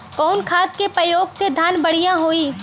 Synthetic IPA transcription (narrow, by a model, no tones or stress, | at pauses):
kɔːnkʰaːt̪̚kepɾəjoːɡsed̪ʱaːnbɐɽ̤ijãɦoːiː